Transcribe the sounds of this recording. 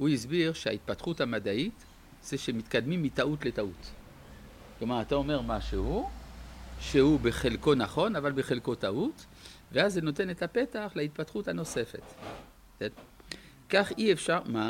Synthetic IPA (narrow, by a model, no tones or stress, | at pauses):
uis̬biʁʃea̰it̪̚pat̪χuthamad̪ait | z̥eʃemit̪kad̪mimːit̪aut̪letaut̪ | klo̞maʁat̪ao̞me̞ʁmaʃehu | ʃehubeχelko̞naχo̞navalbeχelko̞t̪aʔut̪ | veazːeno̞t̪̬enet̪apetaχlait̪̚pat̪χuthano̞se̞fe̞̰t̪ | e | kaχiefʃaʁma